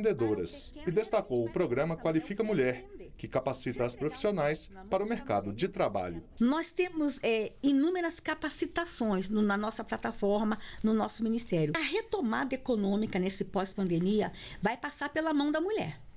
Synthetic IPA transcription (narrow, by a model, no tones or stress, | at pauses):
nd̪ed̪oɾɐ̰sɪd̪est̪akowʊpɾoɡɾɐ̃mɐkwalifikɐmuʎɛɾkɪkapasit̪ɐːspɾofi̥sionajs | paɾɐʊmeɾka̰d̪ʊd͡ʒɪt̪ɾaba̰ʎʊnɔst̪ẽmʊzɛinũmeɾɐskapasit̪asõj̃znʊnɐnɔsɐplat̪afɔɾmɐnʊnɔsʊmĩnist̪ɛɾjʊɐɦet̪omad̪ɐekonõmikɐnesɪpɔspɐ̃nd̪emiɐvajpasaɾpelɐmɐ̃w̃d̪ɐmuʎɛ̰ɾ